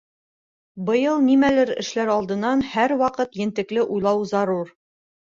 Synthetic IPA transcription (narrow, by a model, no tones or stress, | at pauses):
bɤ̆jɤlˠnimælɘɾɘ̰̆ʃlæɾɒlˠd̪ɤ̆nːɑnhæɾwɑqɤt̪jɘ̆nt̪ɘ̆klɘʔujlˠɑwzɑɾuɾ